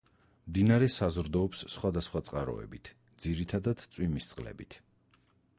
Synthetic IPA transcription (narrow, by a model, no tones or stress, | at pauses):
md̪inaɾɛsazɾd̪ɔːpsːχwad̪asχwat̪sʼqʼaɾɔ̰ɛ̰bit̪ʰ | d̪ziɾit̪ʰad̪ad̪t̪sʼwimist̪sʼqʼlɛ̰bit̪ʰ